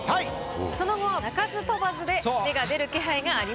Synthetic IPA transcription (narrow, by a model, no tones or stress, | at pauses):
hai | so̞no̞ɡo̞aakazɨt̪o̞bazɨd̪e̞some̞ɡad̪e̞ɾɯ̟ke̞ɦaiɡaːɾʲi